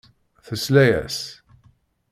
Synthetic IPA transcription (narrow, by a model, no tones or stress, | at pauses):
θəslæjæ̰s